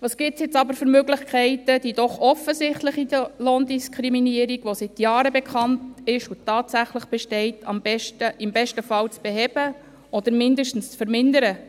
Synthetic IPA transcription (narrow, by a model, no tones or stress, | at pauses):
ʋɑːsɡ̥ɪːp̚tsjɪt͡sɑbəɾfɵɾmøɡlɪχkʰɛɪtəd̥idɔχɔfəsɪχtləχidəlɔndiskʰɾiminiːəɾiɡʋosɪtjɑːɾəbɛkʰɑntɪʃutɑːtsæχləχb̥ɛʃtɛɪtʰɑmbɛʃtəʔɪmbɛʃtəfɑlt͡sb̥eɦɛbə | ɔd̥̪əɾmɪndəʃtn̩st͡sfəɾmɪndəɾə